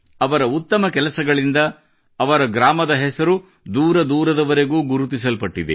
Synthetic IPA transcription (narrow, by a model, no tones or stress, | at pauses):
ɐʋɐɾɐut̪ːɐmɐkɛlɐsɐɡɐɭind̪ɐː | ʋɐɾɐɡɾaːmɐd̪ɐɦɛsɐɾu | d̪uːɾɐd̪uːɾɐd̪ɐʋɐɾe̞ɡuːɡuɾut̪is̬ɐlpɐʈːid̪ḛ